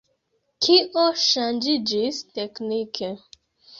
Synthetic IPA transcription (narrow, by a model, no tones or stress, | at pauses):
kʰiɔʃand͡ʒid͡ʒisteknikʰe